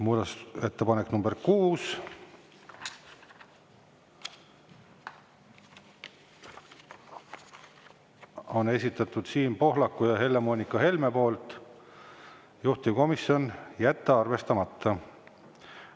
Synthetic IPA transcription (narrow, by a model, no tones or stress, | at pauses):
muːd̪ɑse̞t̪ːepɑnekːnumberkuːs | o̞ne̞sit̪ːˑɑt̪ːˑud̪̥siːnpo̞ɦlɑkːˑujɑɦe̞lːe̞mo̞ːnʲikːˑɑɦe̞lmepo̞ːlt̪ | juht̪iko̞misjo̞njæt̪ːeɑrve̞st̪ɑmɑt̪ˑːɑ